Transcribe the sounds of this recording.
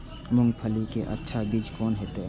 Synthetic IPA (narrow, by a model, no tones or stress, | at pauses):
mʊ̃ŋɡpʰəlikeʔɐ̰tːʃʰabid͡ʒkɔːnɦeːt̪e